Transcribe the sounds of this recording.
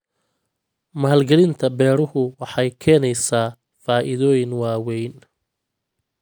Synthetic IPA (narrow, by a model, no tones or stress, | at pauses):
malɡɛlɪnt̪ʰɐbɛːɾʊhʊwɑħɑjkʰɛːnɛjsaː | faːʔɪðɔːjɪnwaːwɛjn